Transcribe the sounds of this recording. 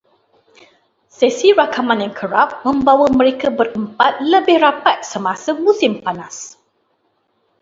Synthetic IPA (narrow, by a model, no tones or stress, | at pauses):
sesiɾakamãnjaŋkʰəɾap̚mə̃mbawəmə̃ɾekabərəmpat̪̚ləbɪhrapat̪̚səmasəmũsɪmpanas